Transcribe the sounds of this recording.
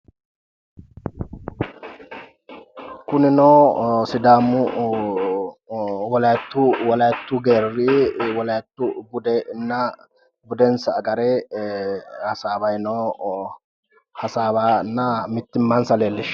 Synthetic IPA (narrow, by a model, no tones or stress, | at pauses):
kʊnɪnoːsɪd̪aːmʊ | wɔlɐjt̪ːuwɔlɐjɛt̪ːuɡeːrːɪwɔlɐjt̪ːʊbʊd̪ɛnːɐ | bʊd̪ɛnsɐːɡɐɾe | hɐsaːbɐjnoː | hɐsaːbaːnːɐmɪt̪ːɪmːansɐleːlːɪʃ